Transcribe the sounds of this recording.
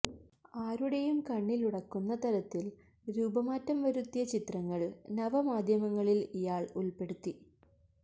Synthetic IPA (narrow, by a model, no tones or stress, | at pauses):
aːɾuɽejumkɐɳːiluɽɐkːunːɐt̪ɐɾɐt̪ːil | ɾuːbɐmaːtːɐmʋɐɾut̪ːijɐt͡ɕit̪rɐŋːɐɭnɐʋɐmaːd̪ʱjɐmɐŋːɐɭilijaːɭulpe̞ɽut̪ːi